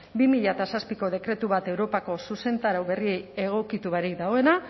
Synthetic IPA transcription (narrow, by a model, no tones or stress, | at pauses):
bimiʎat̪asaspiko̞ð̞e̞kɾe̞t̪uβat̪e̞wɾo̞pako̞suse̞nt̪aɾawβe̞rie̞je̞ɣ̞o̞kit̪uβaɾik̚d̪aɣo̞e̞na